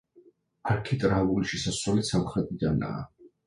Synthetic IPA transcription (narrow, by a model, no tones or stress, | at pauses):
aɾkʰit̪ʼɾavuliʃɛsaswɛlisamχɾɛt̪ʼid̪ana̰ː